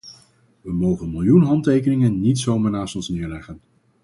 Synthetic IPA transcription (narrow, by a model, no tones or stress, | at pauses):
ʋəmowχənmɪlˠjunɦɑntejkənɪŋənːitsowmaːɹnaːstɔnsnɪːɹlɛχən